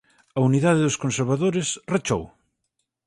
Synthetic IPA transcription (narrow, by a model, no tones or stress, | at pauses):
ɐuniðaðɪðʊskonseɾβaðoɾɪsret͡ʃo̰w